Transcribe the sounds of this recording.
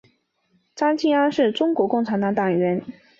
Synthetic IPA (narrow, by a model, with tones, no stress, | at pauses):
ʈ͡ʂa˥nt͡ɕi˥˩a˥nʂɻ̩˥˩ʈ͡ʂʊ˥ŋkwɔ˧˥kʊ˥˩ŋʈ͡ʂʰa˧˥nt̪ɑ˧˥ŋt̪ɑ˨˩ŋ˨˩ɥə˧˥n